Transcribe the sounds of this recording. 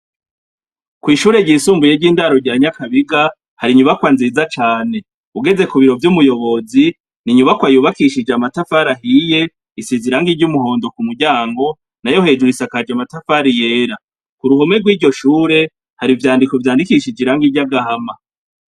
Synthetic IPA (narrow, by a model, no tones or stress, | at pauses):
kwiːʃuːɾe̞ɟiːsuːmbujeɾɟiːndaɾo̞ɟiɾaɲakaβiɡa | haɾiɲuβakwanziːzat͡ʃaːne̞ | uɡe̞ze̞kuβiɾo̞vjumujo̞βo̞zi | niɲuβakwajuβakiʃid͡ʒeamatafaɾaɦije̞ | isiziɾaŋɡiɾɟumuɦo̞ːndo̞kumuɡɟaːŋɡo̞ | najo̞he̞ːd͡ʒuɾisakad͡ʒamatafaɾije̞ːɾa | kuɾuhomeɡwiːɾɟo̞ʃuːɾe̞ | haɾivjaːndikovjaːndikiʃid͡ʒiɾaŋɡiɾɟaɡahama